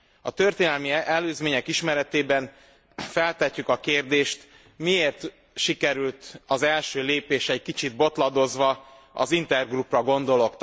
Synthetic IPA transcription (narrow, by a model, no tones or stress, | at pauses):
ɒt̪ø̞rt̪eːnɛlmiɛløːzmeːɲɛkiʃmɛɾɛt̪eːbɛn | fɛlt̪ɛcːykɒkeːrd̪eːʃt̪ | mieːrt̪ | ʃikɛɾylt̪ɒzɛlʃøːleːpeːʃɛc̚kit͡ʃid̪̚bo̞t̪lɒd̪o̞zʋɒ | ɒ̰zint̪ɛrɡruprɒɡo̞nd̪o̞lo̞kt̪